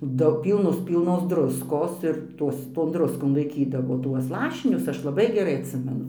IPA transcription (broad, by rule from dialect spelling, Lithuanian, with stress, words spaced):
ˈdɐʊ ˈpʲiːlˠnʊs ˈpʲiːlˠnoːs ˈdrʊskoːs ɪr ˈtuɔs toːn ˈdrʊskoːn lˠɐɪˈkʲiːdɐʋoː ˈtuɔs ˈlˠɑːʃʲɪnʲʊs ˈɐʃ lˠɐˈbɐɪ ɡʲɛˈrɐɪ ɐtʲˈsʲɪmʲɛnʊ